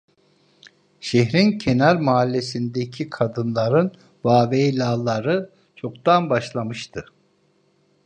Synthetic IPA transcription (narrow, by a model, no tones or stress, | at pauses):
ʃeɦɾincʰenæɾmaalʲːesind̪ecʰikʰad̪ɯnlˠaɾɯn | vaːvelʲaːlˠːaɾɯ | t͡ʃʰo̞kd̪anbaʃlˠamɯʃt̪ʰɯ